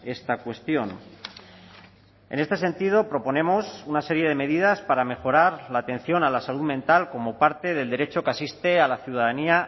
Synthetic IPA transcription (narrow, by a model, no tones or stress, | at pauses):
e̞st̪akwe̞st̪jo̞n | e̞̰ne̞st̪e̞se̞nt̪ið̞o̞pɾo̞po̞ne̞mo̞sunase̞ɾje̞ð̞e̞me̞ðið̞aspaɾame̞xo̞ɾaɾlaːt̪e̞n̟θjo̞nalasaluðmẽnt̪alko̞mo̞paɾt̪e̞ð̞e̞ld̪e̞ɾe̞t͡ʃo̞keasist̪e̞alaθjuð̞aðania